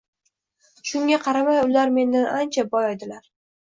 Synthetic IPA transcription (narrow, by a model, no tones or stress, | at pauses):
ʃʊŋʲaqʰɑɾamajʊlaɾme̞nd̪anant͡ʃʰabɒjɒjd̪ɪlaɾ